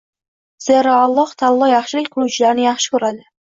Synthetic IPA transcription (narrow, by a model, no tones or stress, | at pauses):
z̥eɾɑɑlˠːɑht̪ʰalˠːɒjɑχʃɪlɪkʲqʰʊɾut͡ʃʰɪlaɾnɪjɑχʃɪ̥kʰʲʊɾad̪ɪ